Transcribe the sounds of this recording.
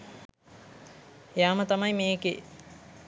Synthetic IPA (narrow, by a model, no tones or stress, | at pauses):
jaːmət̪ɐmɐjmeːkḛ